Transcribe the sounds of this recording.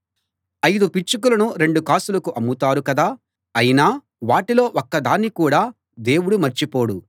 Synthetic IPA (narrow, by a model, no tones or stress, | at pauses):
ɐjd̪upit͡ʃːuk̬ulɐnuɾe̞ɳɖukaːsulɐkuʔɐmːut̪aːɾukɐd̪aː | ɐjinaː | ʋaːʈilo̞ːʔɔkːɐd̪aːnːikuːɽaː | d̪e̞ːwuɽumɐɾt͡ʃipo̞ːɽu